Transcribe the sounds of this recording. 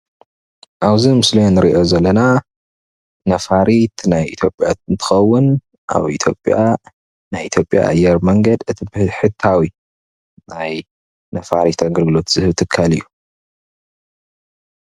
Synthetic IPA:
ʔaβzimɨslijonːɨɾḭʔo̞zɐlːɐna | nɐfaɾit̪najit̪ʰjo̞pʼːjat̪ɨnt̪ʰɨ̥xɐwːʊn | ʔa̰βḭt̪ʰjo̞̰pʼja̰ | najit̪ʰjopʼja̰ʔa̰jɛɾmɐŋɡɐd̪ɨt̪ʰibɨhħɨt̪ʰːawi | naj | nɐfa̰ɾit̪aɡɨlɡɨlo̞t̪z̥ɨhɨβt̪ʰɨkʰːalɨ̰jːu

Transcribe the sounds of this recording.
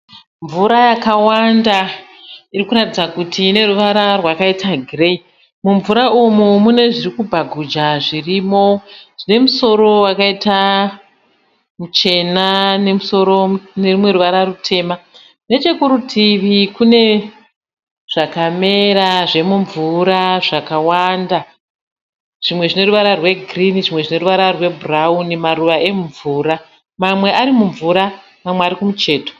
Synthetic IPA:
ɱvuɾajakawanda | irikuɾatid͡zakutʰiːne̞ruʋaɾarwakaitaɡʱire̞i | muɱvuɾaumumune̞ʐirikubʱaɡʱud͡ʒaʐiriːmo̞ʐ̥ine̞muso̞ɾo̞wakaita | mut͡ʃe̞nane̞muso̞ɾo̞ne̞rumwe̞ɾuʋaɾaɾutʰe̞ːma | ne̞t͡ʃe̞kuɾutʰiʋikune̞ | ʐ̥akame̞ɾaʐe̞muɱvuɾaʐakawanda | ʐ̥imwe̞ʐine̞ruʋaɾarwe̞ɡʱriniʐimwe̞ʐine̞ɾuʋaɾarwe̞buraunimaruʋaʔe̞muɱvuɾa | mamwe̞ʔaɾimuɱvuɾa | mamweaɾikumut͡ʃe̞ːto̥

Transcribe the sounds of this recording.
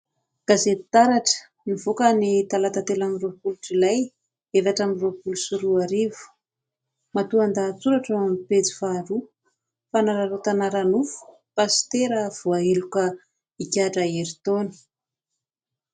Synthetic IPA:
ɡ̥azet̪aɾaʈ͡ʂə̥ | nivokanit̪alat̪at̪elamiropuluʈ͡ʂilaj | evaʈ͡ʂamiropulusuɾuaɾivu̥ | mat̪uand̪at͡suɾaʈ͡ʂaamipet͡si̥faɾu | fanaɾaɾot̪anaɾanufu̥ | past̪eɾəv̥uaelukə | ikʲaʈ͡ʂaeɾit̪oni̥

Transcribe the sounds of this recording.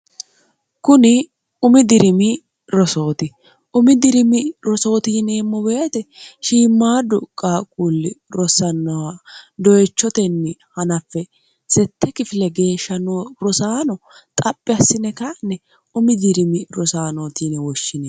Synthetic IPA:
kʊnɪ | ʊmɪd̪ɪɾɪmɪ | ɾɔsoːt̪ɪ | ʔʊmɪd̪ɪɾɪmɪɾɔso̞ːt̪iːnɛɛmːɔbeːt̪ɛʃiːmːaːd̪ʊkʼaːkʼulːɪɾɔsɐnːɐwɐd̪ɔjɛt͡ʃːɔt̪ɛnːɪhɐnɐfːɛ | sɛt̪ːɛkɪfɪlɛɡe̞ːʃːɐnoɾɔsaːnɔt̪ʼɐpʼːɪɐsːɪnɛkaʔnːɛ | ʊmɪd̪ɪɾɪmɪɾɔsaːnoːt̪iːnɛwɔʃːɪnɛ

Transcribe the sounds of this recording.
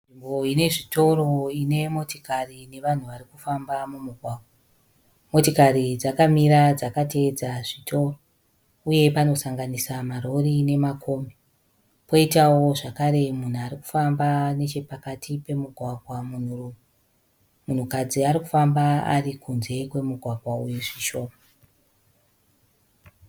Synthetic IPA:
nʐimbo̞ine̞ʐito̞ɾo̞ine̞mo̞tikarine̞ʋan̤uʋarikufambamumuɡʱwaːɡʱwa | mo̞tikaɾid͡zakamiɾad͡zakate̞ːd͡zaʐitʰo̞ro | uje̞pano̞saŋɡanisamaro̞rine̞makʰo̞ːme | po̞itawo̞ʐakaɾe̞mun̤uaɾiku̥fambane̞t͡ʃe̞pakatʰipe̞muɡʱwaɡʱwamun̤uruːme | mun̤ukad͡ziaɾikufambaa̰rikʰunze̞kwe̞muɡʱwaɡʱwaujuʐiʃo̞ːma

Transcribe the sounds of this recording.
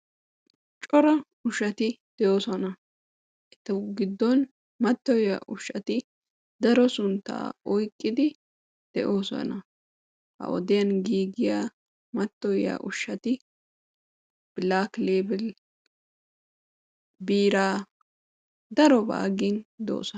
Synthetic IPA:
t͡ʃʼɔɾɐ | ʊʃɐt̪ɪd̪̥ɛjoːsɔnɐ | ʔɛt̪ːɛɡɪd̪ːɔn | mɐt̪ːɔjja̰ʔʊʃːɐt̪ɪ | d̪̥ɐɾɔsʊnt̪ːa̰ːɔjkʼːɪd̪ɪ | d̪̥ɛ̰ʔo̞ːsɔ̰nɐ | hɐ̰ʔɔ̰d̪ɪjɐnɡiːɡɪjaː | mɐt̪ːɔjja̰ʔʊʃːɐt̪ɪ | b̥ɪlaːkleːbɪl | biːɾaː | d̪ɐɾɔba̰ːɡɪnd̪o̰ːsɔ

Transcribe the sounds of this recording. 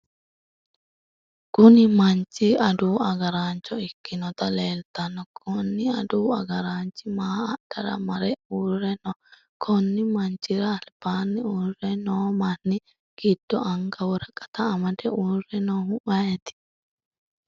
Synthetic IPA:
ɡ̥ʊnɪmɐnt͡ʃːɪɐd̪uːɐɡɐɾaːnt͡ʃːɔɪkːɪnɔt̪ɐleːlt̪ɐnːɔkʰɔnːɪɐd̪uːɐɡɐɾaːnt͡ʃːɪmaːɐɗ̥ɐɾɐ̰mɐɾɛuːrɛnɔ | kʰɔnːɪmɐnt͡ʃːɪɾɐːlb̥aːnːɪuːrɛnoːmɐnːɪ | ɡ̥id̪̥ːɔʔɐŋɡɐwɔɾɐkʼːɐ̥t̪ɐːmɐd̪ɛuːrɛnohʊʔɐjɛt̪ɪ̥

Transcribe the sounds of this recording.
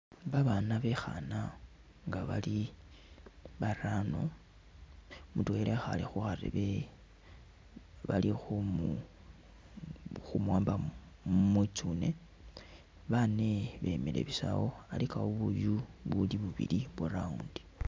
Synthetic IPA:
βaβaːnaβe̞xa̰na | ŋɡaβa̰li | βarano̞̰ | mutwelexa̰lixuxarḛβe | βalixu | xumwaːmba | mwit͡sune̞ | βane̞βe̞̰mile̞̰βisa̰wo̞alikawoβujuβuliβuβḭliβuɾauːndi̥

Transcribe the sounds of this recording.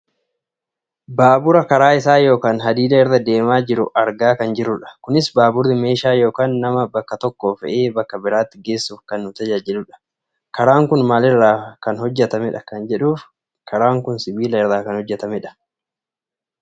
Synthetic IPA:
baːbʊɾɐkɐɾaːɪsaːjo̞ːkaːnɦɐd̪iːlɐɛɾd̪ɐd̪e̞ːmaːd͡ʒɪɾʊ̰ʔɐɾɡaːkɐnd͡ʒɪɾːʊᶑɐ̥kʊnɪsbaːbʊɾɪme̞ːʃaːjo̞ːkaːnːɐmɐbɐkːɐt̪ɔkːo̞ːfɛ̰ʔeːbɐkːɐbɪɾaːt̪ːɪɡe̞ːsːuːfkɐnːʊt̪ɐd͡ʒaːd͡ʒɪlʊᶑɐ̥ | kɐɾaːŋkʊnmaːlɛrːaːkɐnhɔd͡ʒːɛt̪ɐmɛᶑɐkɐnd͡ʒɛᶑuːf | kʰɐɾaːŋkʊnsɪbiːlɐɛɾðaːkɐnhɔd͡ʒːɛt̪ɐmɛᶑɐ̥

